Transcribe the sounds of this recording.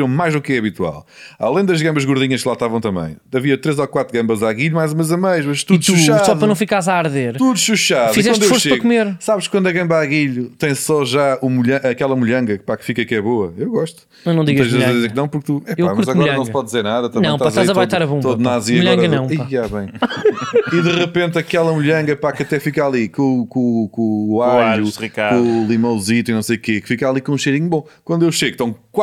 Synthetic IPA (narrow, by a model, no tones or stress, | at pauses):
ɾɐ̃majʒðukɛɐβit̪wa̰lˠa̰lˠɐ̃j̃d̪ɐʒɣɐ̃mbɐʒɣuɾðiɲɐʃklˠaʃt̪avɐ̃w̃t̪ɐmɐ̰̃j̃ɐviɐt̪ɾezɔkwat̪ɾuɣɐ̃mbɐzaɣiʎumajzumɐzɐmɐjʃmɐʃt̪uðʃuʃasɔðpɐnɐ̃w̃fikaɾzaːɾðeɾt̪uðʃuʃaðfizɛwɐ̃d̪efoɾsʃepɐɣkumeɾsaβʃkwɐ̃nd̪ɐɣɐ̃mbaɣiʎut̪ɐ̃j̃sɔʒaumuʎɐ̃ʔɐkɛlˠɐmuʎɐ̃ŋɡɐkpakfikɐkɛβoɐewɣɔʃt̪u̥ | enɐ̃d̪̃iɣɐ̃ʒɐz̃vezzɛk̚nɐ̃w̃puɾk̚t̪uɛpewakmɐuɾzɐɣmɔɾɐnɐ̃ɐ̃w̃spɔðd̪izeɾnaðɐt̪ɐ̃nɐ̃w̃ʃt̪pɐzɐt̪azɐβajʃt̪aɾɐβũt̪oðnaziɐmuʎɐ̃ŋɡɐnɐ̃w̃iaβɐ̃j̃ | iðɨʁɨpẽnt̪ɐkɛlˠɐmuʎɐ̃ŋɡɐpakɐt̪ɛfikalˠikõkõkõaʎuʁikaɾõlˠimɐ̃zit̪uinɐ̃w̃sejukekfikalˠikõũʃejɾiɲubõkwɐ̃nd̪ewʃeɣt̪ɐ̃w̃k